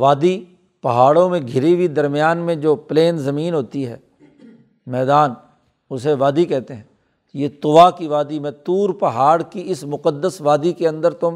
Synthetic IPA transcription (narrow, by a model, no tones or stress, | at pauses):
ʋaːd̪i | pɐɦaːɽõmẽɡʱɪɾiʋid̪ɐɾmɪjaːnmẽd͡ʒoːpleːnzɐmiːnɦoːt̪iɦɛ̰ː | mɛːd̪aːn | ʊseʋaːd̪ikɛɦt̪eɦɛ̃ː | jet̪ʊʋakiʋaːd̪imẽt̪uːɾpɐɦaːɽkiɪsmʊqəd̪ːəsʋaːd̪ikeɐ̃nd̪əɾt̪o